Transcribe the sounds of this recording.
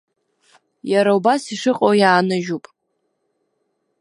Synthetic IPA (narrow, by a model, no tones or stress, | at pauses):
jaɾaubasiʂɨqʼowjaːnaʒupʼ